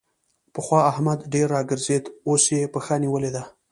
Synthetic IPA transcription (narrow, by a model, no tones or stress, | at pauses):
pəxwɑahmad̪ɖeɾːɑɡəɾzed̪osjepəxəniwəled̪a